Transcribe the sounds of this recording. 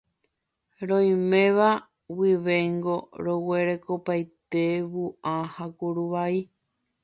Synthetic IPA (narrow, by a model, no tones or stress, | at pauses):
ɾõj̃mẽ̞ʋa | wiʋe̞ŋɡo̞ɾowe̞ɾekopajt̪eβuãhakuɾuʋai